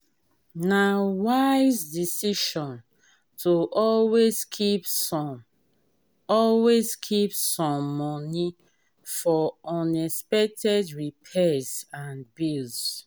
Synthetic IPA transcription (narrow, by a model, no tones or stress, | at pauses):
nawaɪzdisiʃɔ̃n | tʰoʔɔlwezkʰip | ɔlwezkʰipsɔ̃mːɔni | fɔɔ̃nɛspɛk̚tʰɛdɹipʰɛsãnbils